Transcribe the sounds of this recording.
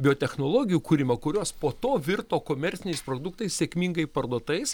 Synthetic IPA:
bʲɪoːt̪ʲɛxnoːlˠoːɡʲɪjuːkuːɾʲɪmɐkʊɾʲoːspoːt̪oːʋʲɪrt̪oːkoːmʲɛɾʲsʲɪnʲɛɪspɾoːd̪ʊk̚t̪ɐɪssʲeɛkmʲiŋɡɐɪpɐrd̪uɔt̪ɐɪs

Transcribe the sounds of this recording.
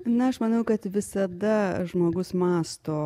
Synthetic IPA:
nɐɐʃmɐnɐʊkɐt̪ʋʲɪsɐd̪ɐʒmoːɡʊsmɑːst̪oː

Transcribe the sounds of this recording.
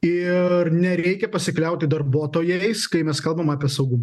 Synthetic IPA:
ɪrnʲɛɾʲɛɪkʲɛpɐsʲɪklʲɛʊt̪ʲɪd̪ɐɾbuɔt̪oːjɛɪskɐɪmʲɛskɐlˠbɐmɑːpʲiɛsɐʊɡʊmɐ

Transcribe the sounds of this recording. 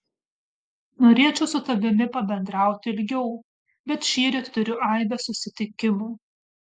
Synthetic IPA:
noːɾʲiɛt͡ʃʲɛʊsʊt̪ɐbʲɪmʲɪpɐbʲɛnd̪ɾɑˑʊt̪ʲɪɪlʲɡʲɛʊ | bʲɛt̪ʃʲiːɾʲet̪t̪ʊɾʲʊʔɐˑɪbʲɛsʊsʲɪt̪ʲɪkʲɪmuː

